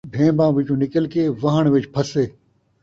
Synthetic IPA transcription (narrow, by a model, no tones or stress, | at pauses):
bʱẽːbãːʋɪt͡ʃũːnɪkəlkeːʋɐɦəɳ̃ʋɪt͡ʃpʰɐseː